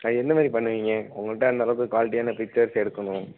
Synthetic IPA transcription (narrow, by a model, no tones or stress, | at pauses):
aɛnd̪ɐmaːd̪ɾipɐɳːɯʋiːŋɡɐʊŋɡɐɭʈːɐɐnd̪ɐːlɐʋɯkɯkʋaːlɪʈ̬ːɪjaːnɐpɪk̚t͡ʃːɐɾsɛɽɯkːɐnʊ̃